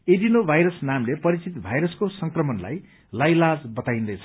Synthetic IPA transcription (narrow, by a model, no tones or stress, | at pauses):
edinobʱajɾʌsnamlepʌɾit͡sit̪bʱajɾʌskosʌŋkrʌmʌnla̰j | lajlad͡zbʌt̪ajĩnd̪ʌjt͡sʰʌ